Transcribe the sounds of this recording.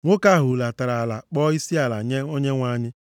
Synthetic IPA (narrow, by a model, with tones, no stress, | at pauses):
ŋʷʊ˦ka˦˨ɦʊ˨la˨ta˨ɾa˨la˨k͡pɔ˦i˦si˦a˨la˨ɲe˦o˦ɲe˦ŋʷa˦ɲɪ˦